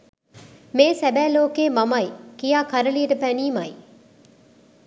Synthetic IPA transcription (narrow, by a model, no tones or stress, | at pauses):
meːsæbæːloːkeːmɐmɐjkijaːkɐɾəlijəʈəpæniːmɐj